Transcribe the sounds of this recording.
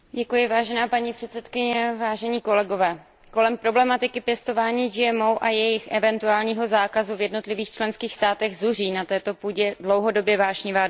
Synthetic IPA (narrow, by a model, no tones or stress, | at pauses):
ɟɛkujɪvaːʒɛnaːpaɲiːpr̝̥ɛt̪sɛt̪kɪɲɛvaːʒɛɲiːko̞lɛɡo̞vɛː | ko̞lɛmpɾo̞blɛmat̪ɪkɪpjɛst̪o̞vaːɲiːd͡ʒɪɛmowʔajɛjɪxʔɛvɛnt̪uaːlɲiːɦo̞zaːkazuvjɛdno̞t̪lɪviːxt͡ʃlɛnskiːxst̪aːt̪ɛɣzuriːnat̪ɛːt̪o̞puːɟɛdlo̞wɦo̞do̞bjɛvaːʃɲɪvaː